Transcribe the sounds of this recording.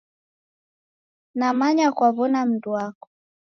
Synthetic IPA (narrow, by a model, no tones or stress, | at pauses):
namaɲakwaβɔnam̩duakɔ̥